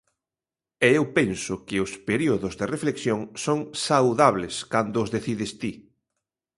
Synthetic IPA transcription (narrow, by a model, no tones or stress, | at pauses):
ɛewpɛnsʊkɪʊspeɾioðʊzðerefleksjoŋsoŋsawðaβleskand̪oʊːzðeθiðɪst̪i